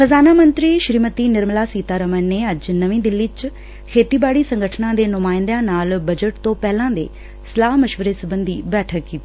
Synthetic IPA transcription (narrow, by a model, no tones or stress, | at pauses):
xʰəzaːnaːmənt̪ɾiːʃɾiːmət̪iːnɪɾmlaːsiːt̪aːɾəmənːeːəd͡ʒnəʋĩːd̪ɪlːit͡ʃ | kʰeːt̪iːbaːɽiːsəŋɡəʈʰnãːd̪eːnʊmaːɪ̃nd̪ãːnaːlbəd͡ʒəʈt̪õːpɛːlãːd̪ḛː | səlaːɦməʃʋəɾeːsəbənd̪ḭːbɛːʈʰəkːiː